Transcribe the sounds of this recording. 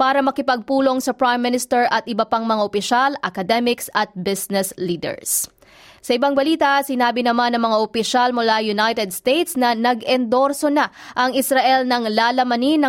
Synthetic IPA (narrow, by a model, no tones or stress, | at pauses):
paːɾɐmɐkɪpɐɡ̚puːlo̞ŋsɐpɹajmːɪnɪst̪ɛɹʔɐt̪̚ʔɪbɐpaŋmɐŋaʔopɪʃalʔɐkɐd̪ɛmɪksɐt̪̚bɪsnɛsliːd̪ɛ̰ɹs | sɐʔɪbaŋbɐliːt̪ɐsɪnaːbɪnɐmanːɐŋmɐŋaʔopɪʃalmʊlajʊnajt̪ɛd̪̚st̪ejt̪snɐnɐɡɛnd̪o̞ɾso̞naʔɐŋɪsɾɐʔɛlnɐŋlaːlɐmɐninːɐ